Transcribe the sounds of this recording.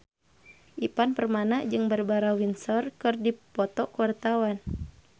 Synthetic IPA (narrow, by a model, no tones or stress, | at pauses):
ʔipanpərmanad͡ʒɨŋbərbaɾawinsɔrkɨrdipɔt̪ɔkuwart̪awan